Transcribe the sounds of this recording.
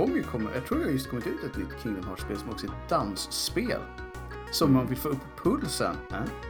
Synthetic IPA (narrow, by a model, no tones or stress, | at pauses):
ɔŋːəkʰɔmːə̰ɾjʔɑ̰t̪ʰɾuːɾjɑhjɵst̪kʰɔmːɪt̪ʉ̟ːt̪ɛt̪nʏt̪ːkʰɪŋːənhaʂpeːlsɔmɔksɔɛt̪d̪ansːpḛːl | sɔmːanvɪlfoːɾɵpʰːɔpʰɵlsə̰n